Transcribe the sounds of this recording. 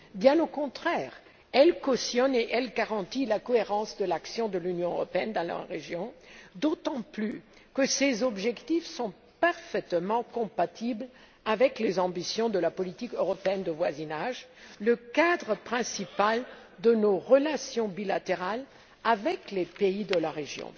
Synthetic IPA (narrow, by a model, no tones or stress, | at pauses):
bjɛ̃nokɔ̃t̪χɛʁ | ɛlkɔsjɔneʔɛlɡaʁɑ̃t̪ilakɔeʁɑ̃sd̪əlaksjɔ̃d̪əlynjɔ̃ø̰ʁɔpeɛnd̪ɑ̃la̰ʁeʒjɔ̃d̪ot̪ɑ̃ply | kəsezɔbʒɛkt̪ifsɔ̃ | paʁfɛt̪mɑ̃kɔ̃pat̪ibl | avɛklezɑ̃bisjɔ̃d̪əlapɔlit̪ikøʁɔpeɛnd̪əvwazinaʒləkad̪ʁəpχɛ̃sipald̪ənoʁəlasjɔ̃bilat̪eʁal | avɛklepeid̪əlaʁeʒjɔ̰̃